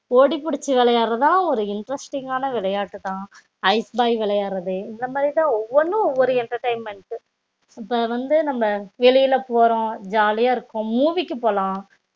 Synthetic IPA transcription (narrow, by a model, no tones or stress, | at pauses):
oːɽipːʊɽɪt͡ʃːɯʋɪɭɐjaːɾɐðaːlãːɔɾɯɪɳɖɾɐsʈɪŋɡaːnɐʋɪɭɐjaːʈːɯt̪ãː | ɐɪsbaːjʋɪɭɐjaːɾɐðɯɪnd̪ɐmaːðɾit̪ãːɔʋːɔnːɯ̃ɔʋːɔɾɯɛɳʈɐɾʈɐɪmɛɳʈɯ | ɐpːɐːʋɐnd̪ɯnɐmːɐʋɛɭɪjɪlɐpoːɾõd͡ʒaːlɪjaːɪɾɯkːʊ̃muːʋɪkːɯpoːlãː